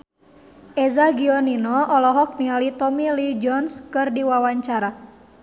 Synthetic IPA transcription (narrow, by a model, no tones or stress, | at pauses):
ʔɛzaɡiɔninɔɔlɔɦɔk̚nialit̪ɔmilid͡ʒɔnskɨrdiwawaɲt͡ʃaɾa